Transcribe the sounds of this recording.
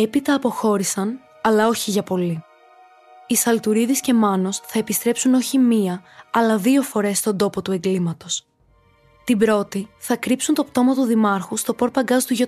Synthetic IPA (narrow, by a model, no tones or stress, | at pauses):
e̞pit̪ɐːpo̞xo̞ɾisɐn | ɐlɐo̞çiʝɐpo̞li | isɐlt̪uɾiðisce̞mɐno̞sθɐe̞pist̪ɾe̞psuno̞çimiɐɐlɐðio̞fo̞ɾe̞st̪o̞nd̪o̞po̞t̪ue̞ŋɡlimɐt̪o̞s | t̪ibɾo̞t̪iθɐkɾipsunt̪o̞pt̪o̞mɐt̪uðimɐɾxust̪o̞po̞ɾpɐɡɐzt̪uʝo